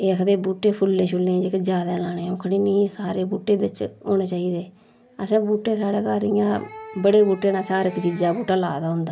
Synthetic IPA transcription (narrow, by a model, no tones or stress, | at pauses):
eːkʰd̪eːbuːʈeːpʰʊlːẽːʃʰʊlẽːd͡ʒekd͡ʒjaːd̪aːlaːnẽːʊ̃kʰɽiːniːsaːɾeːbuːʈeːbɪt͡ʃoːneːt͡ʃaːiːd̪eː | əsãːbuːʈːeːsaːɽeːkaːɾɪjãːbəɽeːbuːʈeːnãːsaːɾɪkt͡ʃiːd͡ʒaːbuːʈaːlaːd̪aːɦʊ̃nd̪aː